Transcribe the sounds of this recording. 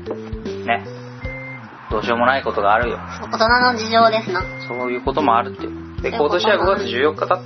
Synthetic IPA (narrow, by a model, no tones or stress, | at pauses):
ne̞ | d̪̥o̞ːɕio̞mo̞naiko̞t̪o̞ɡaːɾɯ̟jo̞̰oot̪onanod͡ʑiʑo̞ːd̪e̞sɨnãso̞ːjɯ̟ːko̞t̪o̞mo̞aɾɯ̟t̪ːe | d̪eko̞t̪o̞ɕiβaɡo̞ɡat͡sɨʑɨːjo̞kːat̪a